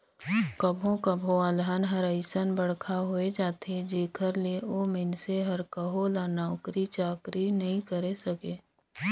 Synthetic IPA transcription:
kəbʱõkəbʱõəlɦənɦəɾəɪsənbəɽ̤kʰaɦoed͡ʒaːt̪ʰed͡ʒeːkʰəɾleoːmɪnseɦəɾkəɦolaːnaʊkɾit͡ʃaːkɾinɐɦĩkəɾesəkeː

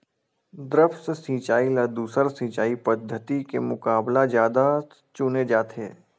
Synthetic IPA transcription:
d̪ɾəfssĩːt͡ʃaːilɐd̪uːsəɾsĩːt͡ʃaːipəd̪ʱːət̪ikemʊkaːblazjaːd̪a | t͡ʃʊned͡ʒaːt̪ʰeː

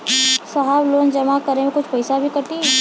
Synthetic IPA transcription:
sɐɦabloːnd͡ʒɐmakɐɾẽmẽkʊt͡ʃʰpɐɪsabʱikɐɾt̪iɦɛ

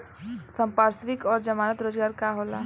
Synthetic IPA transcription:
sə̃mpaːɾsʋikɔːɾd͡ʒəmaːnət̪ɾoːd͡ʒɡaːɾkaɦoːlaː

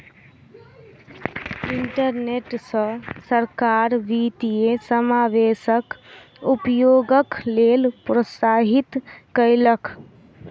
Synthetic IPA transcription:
iɳʈəɾneʈsə̃səɾkaɾʋit̪iesəmaʋesək | upjoɡəklelpɾəsaɦit̪kəɪləkʰ

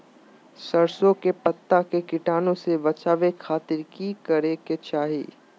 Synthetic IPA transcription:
sɐɾsõkepɐt̪ːakekɪʈaːnõsebɐt͡ʃaːʋekʰaːt̪ɪɾkikɐɾeket͡ʃaːɦḭː

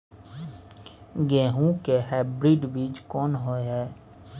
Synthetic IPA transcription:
ɡẽːɦũkeɦɛːbɾiɖbiːd͡ʒkɔːnɦoeɦɛː

